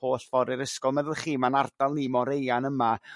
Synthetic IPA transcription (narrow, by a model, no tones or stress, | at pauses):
oːɬv̥ɔɾɪɾəskɔlˠmɛðʊlˠχiːmanard̥alˠnimɔɾejanəma